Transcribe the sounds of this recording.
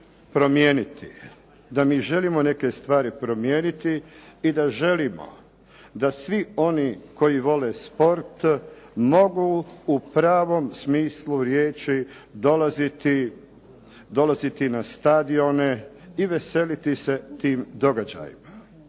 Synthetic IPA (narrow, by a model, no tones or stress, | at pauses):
pɾo̞mjeːnit̪ḭ | d̪amiːʒe̞limo̞ne̞ke̞st̪ʋaːɾipɾo̞mjeːnit̪iːd̪aʒe̞limo̞̰ | d̪asʋio̞niːko̞jiʋo̞le̞spo̞ɾt̪ | mo̞ɡuːupɾaːʋo̞msmiːsluɾjeːt͡ʃi | d̪o̞lazit̪i | d̪o̞lazit̪inast̪ad̪io̞ne | iʋe̞se̞lit̪ise̞t̪iːmd̪o̞ɡad͡ʑa̰ːjḭma